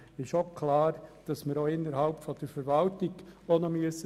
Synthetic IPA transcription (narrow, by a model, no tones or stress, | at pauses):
ɪʃokʰlɑːɾd̥ɑsmɪɾoɪnːəɾhɑlpfɔd̥əɾfəɾʋɑltɪɡ̥onɔmyəsə